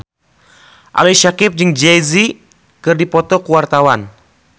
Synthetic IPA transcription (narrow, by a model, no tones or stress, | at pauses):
ʔa̰liʃakɪp̚d͡ʒɨŋd͡ʒɛzi | kɨrdipɔt̪ɔkuwart̪awan